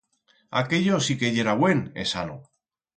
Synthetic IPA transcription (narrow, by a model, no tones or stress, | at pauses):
a̰ke̞ʎosikeʝeɾaβwe̞nḛsano